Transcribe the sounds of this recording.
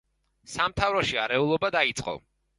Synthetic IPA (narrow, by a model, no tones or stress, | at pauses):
samt̪ʰavɾɔʃiaɾɛulˠɔbad̪ait̪sʼqʼɔ̰